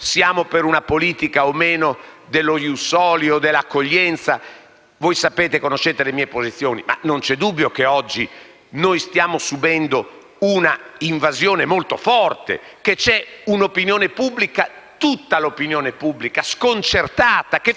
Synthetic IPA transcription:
sjaːmopeɾunapoliːt̪ikaomeːnod̪elːojusɔːljod̪elːakːoʎːɛnt̪sa | vojsapeːt̪ekonoʃːeːt̪elemiːepozit̪sːjoːnima̰nont͡ʃɛd̪ubːjokeɔd͡ʒːi | nojst̪jaːmosubɛnd̪o | unaiɱvazjoːnemolt̪o̰fɔrt̪ḛket͡ʃɛunopinjoːnepubːlika | t̪ut̪ːalopinjoːnepubːlikaskont͡ʃert̪aːt̪ake

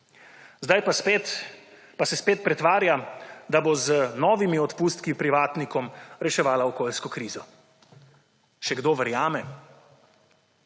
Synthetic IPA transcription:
zd̪ajpaspet̪ | pasɛspeːt̪̚pɾɛt̪ʋaːɾjad̪abozənɔːʋimiɔt̪puːst̪kipɾiʋaːt̪nikɔmɾɛʃɛʋaːlaɔkoːlskɔkɾiːzɔ | ʃɛɡd̪oːʋɛɾjaːmɛ

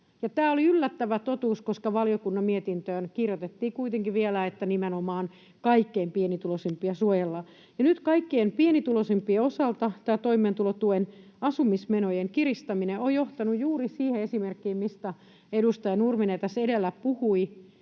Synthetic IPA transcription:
jɑt̪æːoliylːæt̪ːæʋæt̪ot̪uːskoskɑʋɑliokunːɑmmiet̪int̪øːnkirjot̪et̪ːiːkuit̪eŋkiʋielæet̪ːænimenomɑːn | kɑikːeːmpienit̪ulosempiɑsuojelːɑ | jɑnyt̪kɑikːeːmpienit̪ulosempieosɑlt̪ɑt̪æːt̪oimˑeːnt̪ulot̪uen | ɑsumismenojeŋkirist̪ɑmineojoht̪ɑnujjuːrisiːheesimerkːiːmmist̪æ | edust̪ɑjɑnurminet̪æsedelːæppuhui

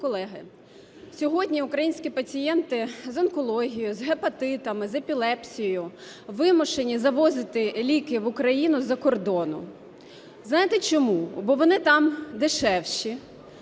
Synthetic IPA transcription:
kɔlˠɛɦɪ | sʲɔɦɔdʲnʲiʊkɾɐjinʲsʲkʲipɐt͡sʲijɛnt̪ɪzɐnkɔlˠɔɦʲijʊzɦepɐt̪ɪt̪ɐmɪzepʲilˠɛpsʲijɔjʊ | ʋɪmɔʃenʲizɐʋɔzɪt̪ɪlʲikɪʋʊkɾɐjinʊzɐkɔrd̪ɔnʊ̰ | znɑjɪt̪et͡ʃɔmubɔʋɔnɪt̪ɑmd̪ɪʃɛwʃi

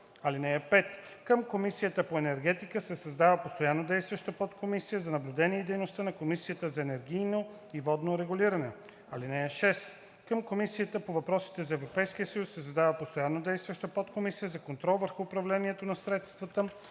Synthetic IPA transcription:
ɐlinɛɛpɛt̪ | kəmkomisijət̪əpoɛnɛɾɡɛt̪ikəsɛsɐzd̪avəpost̪ojanːod̪ɛjst̪vəʃt̪əpot̪kʰomisijəzɐnɐblʲud̪ɛniɛid̪ɛjnost̪ənɐkomisijət̪əzɐɛnɛɾɡʲijno | ivɔd̪noɾɛɡʊliɾɐnɛ | ɐlinɛəʃɛs | kəmkomisijət̪əpovɐpɾɔsi̥t̪ɛzɐɛvɾopɛjsk̟ijəsəjusːɛsɐzd̪avəpost̪ojanːod̪ɛjst̪vəʃt̪əpot̪komisijəzɐkont̪ɾɔlˠvəɾxuːpɾɐvlɛniɛt̪onɐsɾɛt̪st̪vət̪ə

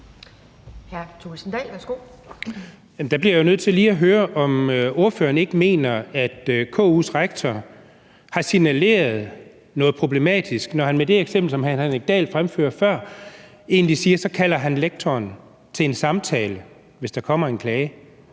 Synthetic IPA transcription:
hæɐt͡sʰusn̩d̥ɛ̰ːlʋæɐsɡ̥o̝̰ | jæm̩d̥ɑ̈b̥liɐjo̝nøð̞̰ˠt͡sʰe̝liːæɦøːɐʔɒ̽møo̝ɐfø̰ːɐne̝ɡ̥əme̝̰ːnɐæd̥økʰɔ̰ːuːsʁaɡ̥̚t͡sʰɒ | hɑ̈sinæle̝̰ːɐð̞ˠ | nɔ̽ːð̞̩ˠpʰʁo̝ble̝mɛ̰ːd̥isɡ̥nɒhænmed̥e̝eɡ̥semb̥l̩sɒ̽mhænɡ̥ɛ̰ːld̥fʁamfø̰ːɐfɶɐ̰ | e̝ːnd̥isiːɐsɒ̽kʰæl̰ɐɦænleɡ̥̚t͡sʰɒːn | t͡sʰe̝e̝nsɑ̈mt͡sʰɛ̰ːlə | ʋe̝sd̥ɑkʰɒ̽m̰ɐe̝nkʰlɛːɪə

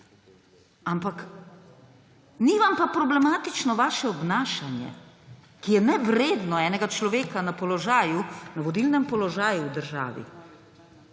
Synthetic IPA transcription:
ampak | niʋampapɾɔblɛmaːt̪it͡ʃnɔʋaːʃɛɔbnaːʃanjɛ̰ | kijɛnɛʋɾeːd̪nɔɛːnɛɡat͡ʃlɔʋeːkanapɔlɔʒaːjunaʋɔd̪ilnɛmpɔlɔʒaːjuwd̪əɾʒa̰ːʋḭ

